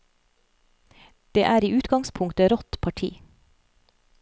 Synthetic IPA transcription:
d̪̥eːʔæːɾiːʉːt̪ɡɑŋspʰʊŋt̪əɾɔt̪pʰɑʈʰḭː

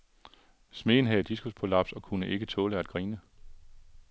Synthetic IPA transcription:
sme̝̰ːn̩ɦæðˠd̥isɡ̥uspʰolɑ̈b̥sɒ̽kʰunəʔe̝ɡ̥ət͡sʰɔ̽ːləæd̥̚ɡ̥ʁiːnə

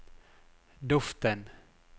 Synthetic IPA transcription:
d̪ɵft̪ən

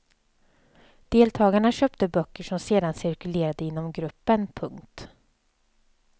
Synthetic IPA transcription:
d̪̥eːlt̪ʰɑːɡaɳaɕœp̚t̪əbœkːəʂɔmseːd̪ansɪɾkɵleːɾad̪əɪnːɔmɡɾɵpːənpʰɵŋkt̪

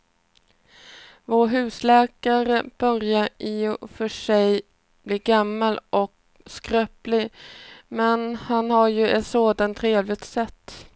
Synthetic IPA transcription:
voːɾɦʉ̟ːslɛːkaɾəb̥œɾjaɾɪɔfœʂɛj | b̥liːɾɡamːalɔk | skɾœːplɪ | mɛnhanhaɾjɵɛt̪soːd̪ant̪ʰɾeːvlɪɡ̚t̪sɛt̪ː

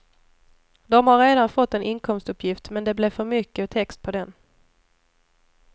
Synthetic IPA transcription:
d̪ɔmhaɾeːd̪anfɔt̪ːɛnʔɪnkʰɔmst̪ɵpʰjɪft̪mɛnd̪ɛblɛfœɾmʏkːət̪ʰɛkst̪̚pʰɔd̪ɛn

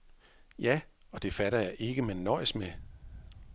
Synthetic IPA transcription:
jæ | ɒ̽d̥e̝fæɾɐjɑ̈ɪʔe̝ɡ̥əmenːɒːsme

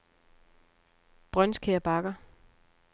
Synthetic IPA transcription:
b̥ʁœnskʰeːɐb̥ɑ̈ɡ̥ɐ

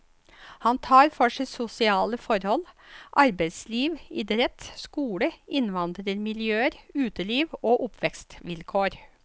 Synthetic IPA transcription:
hɑnt̪ʰɑːɾfɔʂɛsʊsɪɑːləfɔɾhɔlʔɑɾbæɪsliːʋɪd̪ɾɛt̪skuːɽəʔɪnʋɑnd̪ɾəɾmɪljøːəɾʉːt̪əliːʋoːʔʊpʰʋɛkst̪ʋɪlkʰoːɾ

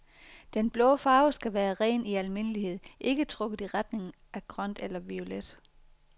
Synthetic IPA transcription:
d̥enb̥lɔ̽ʊfɑ̈ːʊsɡ̥æʋæːɐʁɛ̰ːniælme̝nəlihe̝ð̰ˠʔe̝ɡ̥ət͡sʰʁɔɡ̥əð̩ˠiʁɑd̥ne̝ŋn̩ | ʔæɡ̥ʰʁɶn̰d̥elɐʋio̝led̥

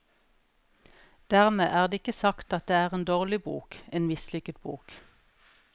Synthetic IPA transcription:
d̪̥æːʁmeːʔæːʁd̪eːɪkəsɑkt̪ɑt̪̚d̪eːæːʁeːnd̪oːʁlɪbṵːkeːnmɪslʏkət̪bṵːk

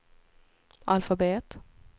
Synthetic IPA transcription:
alfabeːt̪

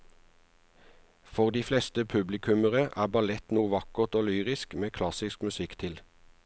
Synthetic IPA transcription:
fɔʁd̪iːflɛst̪əpʰʉblɪkʰʉməʁəʔæːbɑlɛt̪nuːʋɑkəʁt̪oːlyːʁɪskmeːkʰlɑsɪskmʉsɪkt̪ʰɪl

